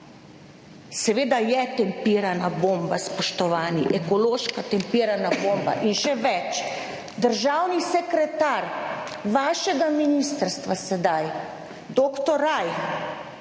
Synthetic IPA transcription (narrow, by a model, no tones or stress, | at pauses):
sɛʋeːd̪ajɛt̪ɛmpiːɾanaboːmbaspɔʃt̪ɔʋaːniʔɛkɔloːʃkat̪ɛmpiːɾanaboːmba̰ʔinʃɛʋɛt͡ʃ | d̪əɾʒawnisɛkɾɛt̪aɾʋaːʃɛɡaminist̪əɾst̪ʋasɛd̪aj | d̪oːkt̪ɔɾajx